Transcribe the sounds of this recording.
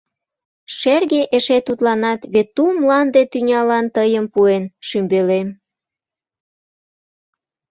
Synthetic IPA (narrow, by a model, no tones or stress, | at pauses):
ʃerɣeʔeʃet̪ut̪lɑnɑt̪βet̪ːumlɑnd̪et̪ynʲɑlɑnt̪əjəmpuenʃymbelem